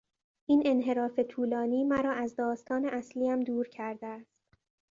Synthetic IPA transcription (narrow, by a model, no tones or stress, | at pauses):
ʔiːne̞nɦe̞ɾɒːfe̞t̪ʰuːlɒːniːmæɾɒːʔæzd̪ɒːst̪ʰɒːne̞ʔæsliːæmd̪uːɾcʰæɾd̪eæst̪